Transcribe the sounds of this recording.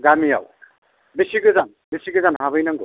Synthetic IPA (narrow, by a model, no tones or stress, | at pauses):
ɡamija̰w | bisiɡɯzan | bisiɡɯzanɦabɯjnaŋɡo̰